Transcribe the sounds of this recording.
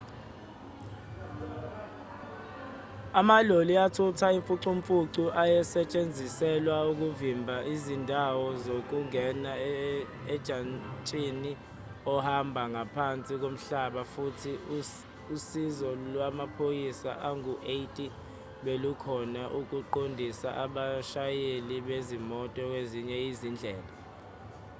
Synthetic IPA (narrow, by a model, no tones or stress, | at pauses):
amaloliatʰutʰaiɱfuǀuɱfuǀuʔajɛsɛt͡ʃʼend͡zʱisɛlwauk̬uvimbʱaʔizindʱawɔzok̬uŋɛna | ɛ̥ʒ̥ʱantʼini | ɔhambʱaŋapʰant͡sʼik̬om̩ɬaɓafutʰi | usizɔlwamapʰojisa̰ʔaŋuʔejtʼi | ɓelukʰɔnaʔuk̬uǃondʱisa̰ʔaɓaʃajeliɓezimɔtʼɔk̬weziɲɛizind͡ɮʱɛːla